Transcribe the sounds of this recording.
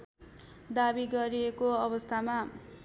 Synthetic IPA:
d̪abiɡʌɾiekoʌβʌst̪ʰama

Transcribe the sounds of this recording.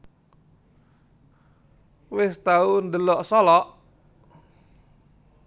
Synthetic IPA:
wɪst̪aund̪əlɔʔsɔlɔʔ

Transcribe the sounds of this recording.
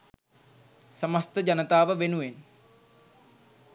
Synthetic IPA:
səməst̪əd͡ʑɐnət̪aːʋəʋenuʋen

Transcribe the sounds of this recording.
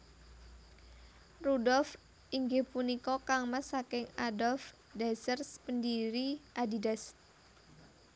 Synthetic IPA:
rudɔlf | iŋɡɪhpunikɔkaŋmasakɪŋadɔlf | dasərspəndiɾiʔadidas

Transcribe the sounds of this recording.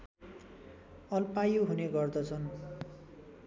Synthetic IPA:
ʌlpajoɦuneɡʌrd̪ʌt͡sʰʌn

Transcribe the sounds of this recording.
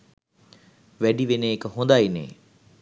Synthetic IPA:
ʋæɖiʋeneekəɦund̪ainḛː

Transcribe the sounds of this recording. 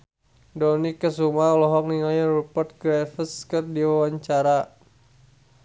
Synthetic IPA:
dɔnikːəsumalɔɦɔk̚niŋajarupərt̪̚ɡɾafəskərdiwawaɲt͡ʃaɾa

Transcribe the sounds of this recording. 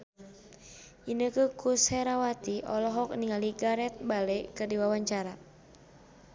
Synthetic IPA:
inəkəkusɛɾawat̪iʔɔlɔɦɔk̚niŋaliɡaɾɛt̪̚balekərdiwawaɲt͡ʃaɾa

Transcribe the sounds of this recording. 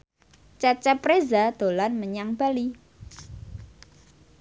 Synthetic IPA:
t͡ʃat͡ʃɛpɾezad̪̥o̤lanməɲaŋb̥a̤li

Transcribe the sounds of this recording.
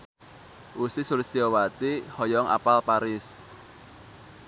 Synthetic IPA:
ʔusisulɪst̪iɔwat̪ihɔjɔŋa̰palpaɾɪs

